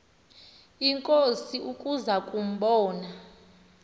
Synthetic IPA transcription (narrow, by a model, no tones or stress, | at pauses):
iŋkʼosiʔukʼuzakʼum̩ɓɔːna